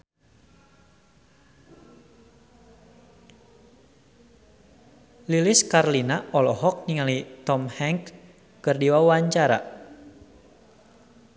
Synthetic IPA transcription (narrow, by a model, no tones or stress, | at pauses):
liliskarlinaʔɔlɔɦɔk̚niŋalit̪ɔmhɛŋkː | ɨrdiwawaɲt͡ʃaɾa̰